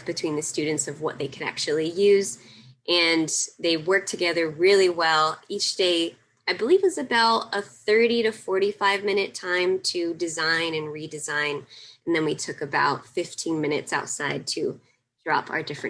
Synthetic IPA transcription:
b̥ɨtʰw̥ĩnðɨstʉdⁿn̩tsʌvwʌ̰t̪̚ðeɪkʰɨɾæ̰k̚t͡ʃʉl̩ˠijʉz | ʔɨ̃nðeɪwɜ˞k̚tʰɨɡɛðə˞ɹɪlˠiwɛlˠit͡ʃd̥eɪ | aɪbəlivɪzɨbɛlˠʌθɜ˞ɾiɾɨfɔɹɾifaɪvmɪ̃ñɨtʰãɪ̃mtʰɨdɨzãɪ̃nɨ̃nɹidɨzãɪ̃nn̩ðɨ̃nwitʰʊkɨbaʊtfɪftʰĩnmɪ̃ñɨ̰tsaʊtsaɪd̚tʰɨ | d̥ɹɑ̰pʰa̰ə˞dɪfɹɨ̃n

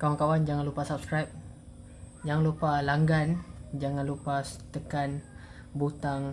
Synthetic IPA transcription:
kawankawand͡ʒaŋãnlupasap̚skɾajp̚ | d͡ʒaŋanlupalaŋɡand͡ʒaŋãnlupast̪əkan | but̪aŋ

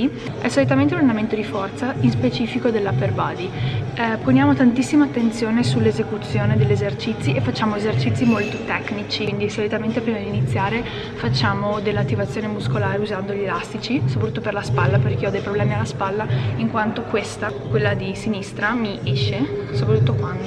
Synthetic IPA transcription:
i | ɛsolut̪̬ament̪eunand̪ament̪od̪ifɔrt̪sainspet͡ʃiːfikod̪elːaperbaːd̪i | ponjaːmot̪ant̪isːimaːt̪ːent̪sjoːnesulːezekut̪sːjoːned̪elːezert͡ʃit̪sːiʔefːat͡ʃːaːmoezert͡ʃit̪sːimolt̪ot̪ɛknit͡ʃiind̪isolut̪ament̪epɾiːmad̪init̪sːjaːɾe | fat͡ʃːaːmod̪elːat̪ːivat̪sjoːnemuskolaːɾeuzand̪oʎielast̪it͡ʃiso̥pɾt̪ut̪ːoperlaspalːaperkeɔd̪ejpɾoblɛːmialːaspalːaiŋkwant̪okwest̪akwelːad̪isinist̪ɾamiɛʃːesopɾat̪ːut̪ːokwan

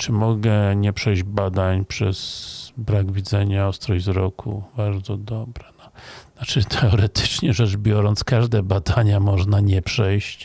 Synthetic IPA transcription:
t͡ʂɘmɔɡɛɲɛpʂɛjd͡ʑbad̪aɲpʂɛz̥bɾaɡvʲid̪zɛɲaɔst̪ɾɔjzɾɔkʰṵbaɾd̪zɔd̪ɔbɾɛnɔnat͡ʂɘt̪ʰɛɔɾɛt̪ɘ̥t͡ʂɲɛʐɛʐbʲjɔɾɔnt̪skaʐd̪ɛbad̪aɲamɔʐnaɲɛpʂɛjɕt͡ɕ

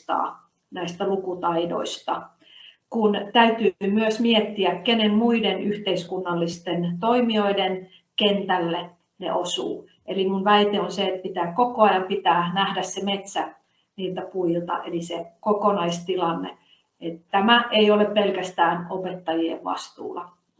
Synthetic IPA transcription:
t̪ɑ̰ː | næist̪ælukut̪ɑido̰ist̪ɑ | kunt̪æyt̪yːmyøsmiet̪ːiækkenemmuidenyht̪eiskunːɑlːist̪ent̪oimioiden | kent̪ælːe | nḛʔosṵː | ʔelimunʋæit̪eonseet̪̚pit̪æːkkokoɑjɑmpit̪æːnæhdæssemet̪sæ | niːlt̪æpuilt̪ɑ̰ʔelisekokonɑist̪ilɑnːḛ | et̪t̪æmæʔeioleppelkæst̪æːnopet̪ːɑjiḛʋʋɑ̰st̪ṵːlɑ

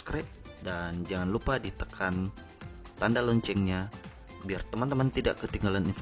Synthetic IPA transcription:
kɾɛʔ | dand͡ʒaŋanlupadit̪əkʰan | t̪andalɔɲt͡ʃɛŋɲa | biart̪əmant̪əmənt̪ida̰ʔkət̪iŋɡalaninf

